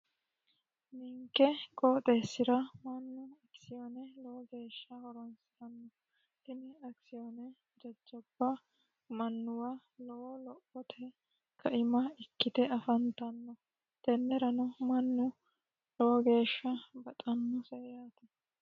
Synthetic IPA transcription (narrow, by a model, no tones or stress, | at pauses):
mɪŋkːɛkʼoːt̪ʼeːsːɪɾɐmɐnːʊɐksɪjonɛlɔwɔɡe̞ːʃːɐhɔɾɔnsɪt̪ɐnːɔ | t̪ɪnɪɐksɪjɔnɛ | d͡ʒɐd͡ʒːɔb̥ːɐ | mɐnːʊwaː | lɔwɔlɔʔɔt̪ʰɛ | kʰɐʔɪmɐɪkːɪd̪ɛɐfɐnt̪ɐnːɔ | t̪ɛnːɛɾɐnɔmɐnːʊ | lɔwɔɡe̞ːʃːɐbɐt̪ʼɐnːɔsɛjaːt̪ɛ